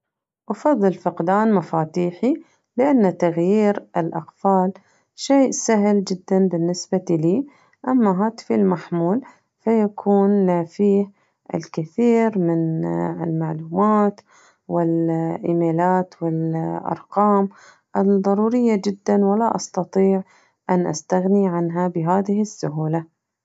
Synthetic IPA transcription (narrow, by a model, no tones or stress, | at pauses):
ʔɑfɑðˤːɨlfɪqd̪aːnmafaːt̪iːħi | lɪʔanːat̪aɣjiːɾɪlʔɑqfaːl | ʃeːʔsaɦld͡ʒɪd̪ːanbɪnːɪsbaliː | ʔamːaɦaːt̪filmaħmuːl | fajakʰuːnːafiːh | ɪ̰lkɪθiːɾmɪnɪlmaʕluːmaːt̪ | wɪlʔɪmeːlaːt̪wɪlʔɑ̰ɾˤqɑːm | ʔɪðˤɑɾˤuːɾɪjːad͡ʒɪd̪ːanwɪlaʔɑst̪ɑt̪ˤiːʕ | ʔanʔa̰st̪aɣniʕanɦabɪɦaːðɪhɪsːʊɦuːla